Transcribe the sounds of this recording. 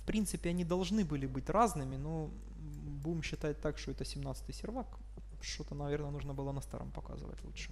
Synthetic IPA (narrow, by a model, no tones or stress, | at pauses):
fpɾʲint̪sɨpʲɪɐnʲid̪ɐlˠʐnɨbɨlʲɪbɨtʲraznɨmʲɪno | budʲɪmɕːɪt̪at̚ʲt̪akʂt̪oɛt̪əsʲɪmnat̪sɨ̥t̪ɨjsʲɪrvak | ʂt̪ot̪ənɐvʲe̞rnəjənuʐnəbɨlˠənɐst̪a̰ɾo̰mpɐka̰zɨ̰və̰tʲlˠṵtʂɨ̥